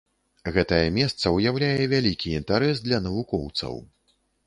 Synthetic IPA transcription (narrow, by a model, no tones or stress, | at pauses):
ɣɛt̪ɐjɛmʲɛst̪sɐujawlʲajɛvʲalʲikʲiːnt̪aɾɛsd̪lʲɐnɐvukɔwt̪sɐ̰w